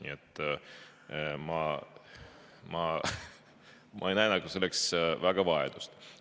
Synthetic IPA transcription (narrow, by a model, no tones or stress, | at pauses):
nʲḭet̪ːˑ | mɑ | mɑ | mʔɑ̰ejnæenɑɡ̥use̞lːeksvæɡ̥ɑvɑed̪̥ust̪